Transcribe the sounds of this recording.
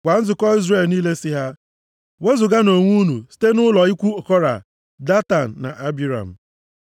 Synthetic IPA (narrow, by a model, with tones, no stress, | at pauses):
ɡʷa˨n̩˦zʊ˨kɔ˦i˦zɾe˨lniː˦le˦si˦ɦa˦ | we˦zʊ˨ɡa˦no˨ŋʷu˦nṵ˨si̥˦te˦nʊ˦lɔ˨ɪ˦kʷu˦o˨kɔ˦ɾa̰˨ | da˦ta˨n̩˨na̰˨ʔa˦bi˦ɾa̰˨m̩˨